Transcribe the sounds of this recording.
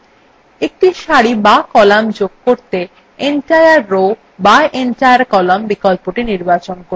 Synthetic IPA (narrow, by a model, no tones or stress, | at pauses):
ek̚ʈiʃaɽibakɔlamd͡ʑoɡ̚koɾt̪e | eɳʈajaɾːo | baʔeɳʈajaɾkɔlambikɔlpoʈiniɾbat͡ɕonko